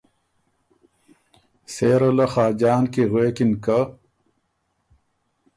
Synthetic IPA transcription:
seːɾolɐxaːd͡ʑaːnkiɣweːkinkɐ

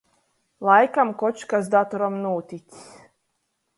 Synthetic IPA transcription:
lˠajkamkɔt͡ʃkasd̪at̪ɔɾɔmnuːt̪ʲit͡ss

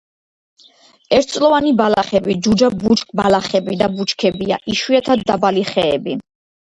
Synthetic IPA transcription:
ɛɾt̪̚ʰtsʼlɔvanibalaχɛbid͡ʒud͡ʒabut͡ʃʰkʰʼbalaχɛbid̪abut͡ʃkʰɛbia̰ʔiʃwiɛt̪ʰad̪ːabaliχɛ̰ːbi

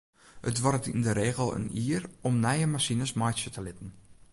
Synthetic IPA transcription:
hətʋɔrətindəɾeːɣəlˠə̰niːərɔmnɛjəmasinəsmɔjsətʰəlɪtən̩

